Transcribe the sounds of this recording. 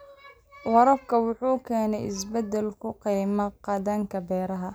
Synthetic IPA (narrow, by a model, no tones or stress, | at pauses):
wɑɾɐbkʰɐwʊħuːkʰɛːnɛjɪsbɐd̪ɛlkʰʊqiːmɐqɑd̪aŋkʰɐbɛːɾɐɦɐ